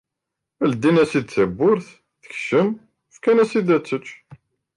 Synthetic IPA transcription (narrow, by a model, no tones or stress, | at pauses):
æld̪ːinæsid̪θæbːʊɾθ | θə̥çʃəm | fkænæsid̪æt͡sːət͡ʃː